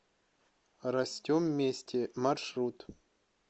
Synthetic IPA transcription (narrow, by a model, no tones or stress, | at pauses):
ɾɐsʲtʲomːʲesʲtʲɪmɐrʂɾut̪